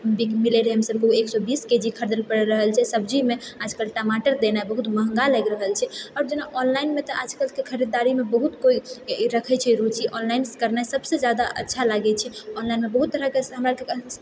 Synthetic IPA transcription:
bikmileɾeɦəmsəb̚keueksɔbisked͡ʒikʰəɾd̪əlpəɾɛɾəɦəlt͡ʃʰɛsəb̚d͡ʒimead͡ʒʱkəlʈamaʈəɾd̪enaɛbəɦut̪məɦəŋɡaləɡɾəɦəlt͡ʃʰɛɔɾd͡ʒenaʔɔnlainmet̪ɔʔad͡ʒʱkəlkekʰəɾid̪ːaɾimebəɦut̪koiɾəkʰɛt͡ʃʰɛɾut͡ʃʰiʔɔnlainskəɾnaesəbsed͡ʒjad̪aʔə̰tːʃʰalaɡɛt͡ʃʰɛɔnlajnmebəɦut̪ːəɾəkeɦəmɾake

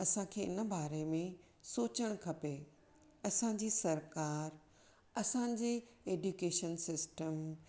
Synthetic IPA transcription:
ɐsãkʰeːɪnə̆baːɾemẽ | soːt͡ɕəɽ̃kʰɐpe | ɐsãd͡ʑiːsɐɾkaːɾ | ɐsãd͡ʑeː | eːɖjukeːʃənsɪsʈəm

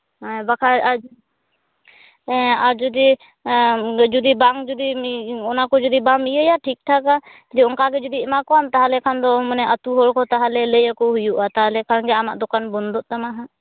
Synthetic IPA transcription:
abakʰaa | aɾd͡ʒɔd̪i | d͡ʒud̪ibaŋd͡ʒud̪iɔnakɔd͡ʒɔd̪ibamijəjaʈʰik̚ʈʰaka | t̪liɔŋkaɡɛd͡ʒɔd̪iɛmakɔnt̪aɦalɛkʰand̪ɔmɔnɛʔət̪uɦɔɽkɔt̪aɦalɛlejəkɔɦujuʔat̪aɦlɛkʰanɡɛama̰ʔd̪ɔkanbɔnd̪ɔʔt̪amaɦa

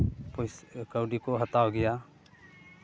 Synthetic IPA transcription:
pɔjskəwɖikɔɦat̪awɡɛja

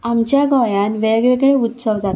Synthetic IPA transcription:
amt͡ɕjaɡɔjanʋeɡɭeɡɭeut̪səʋd͡zat̪

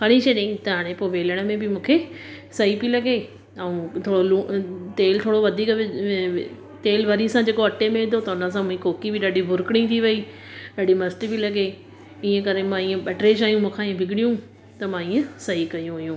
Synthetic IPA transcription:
kɐɽ̃ĩʃeɗẽt̪ɐɦaːɽ̃ẽpoːʋeːləɽ̃mẽbɪmũːkʰe | sɐɦipilɐɡe | ɐũt̪ʰoːɽoluːt̪eːlt̪ʰoːɽoʋɐd̪ʱiːkɪ | t̪eːlʋɐɾisãd͡ʑeːkoɐʈemẽʋɪ̃d̪ʱot̪ɐʊnəs̬ãmũɦĩkoːkibɪɗaːɖibʱʊɾʊkɽ̃ĩt̪ʰiʋɐi | ɗaːɖimɐsʈibilɐɠe | iːẽkɐɾemãiːẽɓɛːʈɾed͡ʒaːijũmũːkʰãiːẽbʱɪɡɪɽijũ | t̪ɐmãiːẽsɐɦikɐjũʊɦjũ

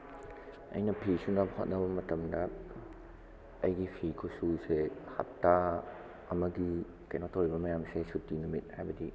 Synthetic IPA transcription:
ɐ̰jnɐpʰisunabɐhot̚nɐbɐmɐtɐmdɐ | ɐjɡipʰikʰosuseha̰p̚tːa | ɐmɐɡi | kɐjnotʰowibɐmɐjamsesutːinumit̚hajbɐdi

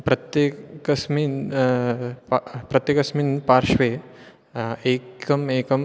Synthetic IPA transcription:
pɾɐt̪jekɐsmin | ppɾɐt̪jekɐsminpaːɾʃʋe | eːkɐmeːkɐm

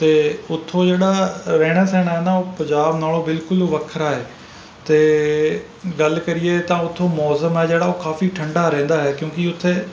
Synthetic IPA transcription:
t̪eːʊt̪ʰːoːd͡ʒeːɽaːɾɛːɽ̃aːsɛ̃ːɽ̃aːɦɛːnaːoːpə̃ɲd͡ʒaːbnaːloːbɪlkʊlʋəkʰəɾaːɦeː | t̪eː | ɡəlkəɾɪeːt̪ãːʊt̪ʰːoːmɔːsəmɦɛːd͡ʒeːɽaːoːkaːfiːʈʰə̃ɳɖaːɾɛ̃ːnd̪aːɦɛːkjõːkɪʊt̪ʰːeː

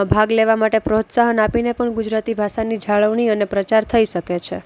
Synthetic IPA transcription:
bʱaɡleʋamaʈepɾot̪saɦənapinepəɳɡud͡ʒɾat̪ibʱaʃanid͡ʒʱaɭəʋɳiənepɾət͡ʃaɾt̪ʰəiʃəket͡ʃʰe

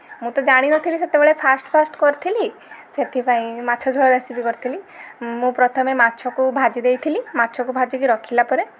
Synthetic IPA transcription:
mũt̪ɔd͡ʒaɽ̃inɔt̪ʰiliset̪ebeɭepʰasʈpʰasʈkɔɾt̪ʰili | set̪ʰipaĩmat̪ːʃʰɔd͡ʒʱɔɭɔɾesipikɔɾit̪ʰilimũpɾɔt̪ʰɔmematːt͡ʃʰɔkubʱad͡ʒid̪ejt̪ʰilimatːʃʰɔkubʱad͡ʒikiɾɔkʰilapɔɾe

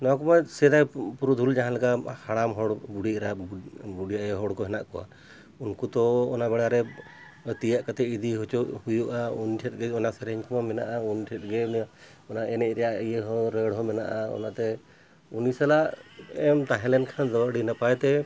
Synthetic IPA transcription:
nɔakɔmasɛɾajpuɾud̪ʱuld͡ʒaɦãlakahaɽamɦɔɽbuɽiʔɾabuɽijaʔɛɦɔɽkɔɦɛna̰ʔkɔwa̰ | unkut̪ɔɔ̰nabɛɽaɾɛ | t̪ijaʔkat̪ɛid̪iɦut͡ʃɔhujuʔaunʈʰɛt̚ɡɛɔnasɛɾɛɲkɔmamɛna̰ʔaunʈʰɛt̚ˀɡɛ | ɔnaʔɛnɛʔ̚ˀɾɛjaʔijeɦɔ̃ɾəɽɦɔ̃mɛna̰ʔaɔ̰nat̪ɛ | unisalaʔɛmt̪aɦɛlɛnkʰand̪ɔɽinapajt̪ɛ

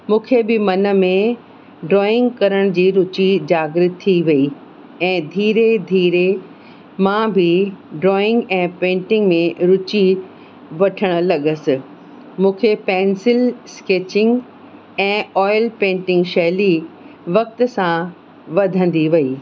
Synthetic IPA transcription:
mũːkʰebɪmɐnə̆mẽ | ɖɾɔːɪ̃ŋɡkɐɾəɽ̃d͡ʑiːɾʊt͡ɕid͡ʑaːɡɾɪt̪ʰːiʋɐi | ɛ̃ːd̪ʱiːɾed̪ʱiːɾe | mãːbʱɪɖɾɔːɪ̃ŋɡɛ̃ːpẽːɳʈɪ̃ŋɡmẽɾʊt͡ɕi | ʋɐʈʰəɽ̃ə̆lɐɠəsɪ | mũːkʰepɛ̃ːnsɪlskeːt͡ɕɪ̃ŋɡ | ɛ̃ːɔːɪlpẽːɳʈɪ̃ŋɡʃɛɦli | ʋɐk̚t̪sã | ʋɐd̪ʱə̃n̆d̪iʋɐiː

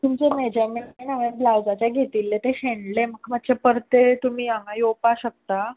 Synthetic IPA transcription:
t̪umt͡ɕemed͡ʑameenaʋẽblawd͡zat͡ɕjaɡʱet̪iːlːet̪eɕeɳɖleməkːmat̪t͡ɕepəɾt̪et̪um̤iːãŋajopaɕək̚t̪a

